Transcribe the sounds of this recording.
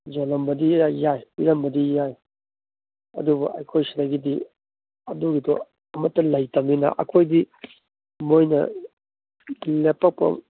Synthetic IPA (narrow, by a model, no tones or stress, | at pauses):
d͡ʒolɐmbɐdiːajpiɾɐmbɐdijaj | ɐ̰dubɐ̰ʔɐjkʰojsiɾaɡidi | ɐduɡidɔ̰ | ɐmɐtːɐlɐjtɐminɐ̰ʔɐ̰kʰojdi | mojnɐ̰ | lepʰɐk̚pɐ̰